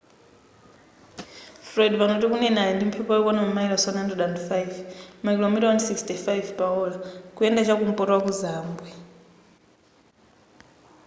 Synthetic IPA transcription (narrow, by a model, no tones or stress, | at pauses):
fɾɔdβanotikunɛnajɛndim̩pʰɛpɔjɛkɔnamamaiɾasɔnajndrɛdandfajvmakilomitɔnsikstʰifajvpaɔlakuɛndat͡ʃakum̩pɔɾwakuzaːmbwɛ